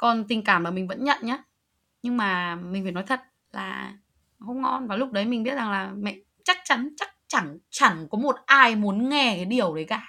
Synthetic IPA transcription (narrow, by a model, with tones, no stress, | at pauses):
kɔ˨˩nt̪ï˨˧˩ŋkaː˧˩mlaː˨˩mï˨˩ŋ̟və̰˧˥nɲə̰˧˨nɲaː˨˦ | ɲɨ˧ŋmaː˨˩mï˨˩ŋ̟fa˧˩nɔ˨˦jt̪ʰə˨˩t̚ | laː˨˩ | hə˧wŋ͡mŋɔ̰˧nvaː˨˩lʊ˦˥k͡p̚ɗə˨˦jmï˨˩ŋ̟ɓi˦˥ət̚za˨˩ŋlaː˨˩mɛ̰˧˨ | t͡ɕa˦˥k̚t͡ɕa˨˦nt͡ɕa˦˥k̚t͡ɕa˧˩ŋt͡ɕa˧˩ŋkɔ˨˦mo˨˩t̚ʔaː˧jmu˨˦ənŋɛ˧kaː˨˦jɗi˨˩əwɗə˨˦jkaː˧˩